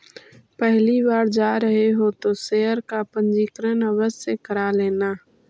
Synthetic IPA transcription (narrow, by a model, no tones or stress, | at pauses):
pɛɦlibaːɾd͡ʒaːɾəɦeɦot̪oseːəɾkapə̃nd͡ʒiːkɾənəwəsjekəɾaleːnaː